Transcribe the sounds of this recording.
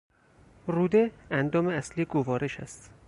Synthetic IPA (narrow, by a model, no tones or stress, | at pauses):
ruːd̪eænd̪ɒːmeæsliːɡovɒːɾe̞ʃæ̰st̪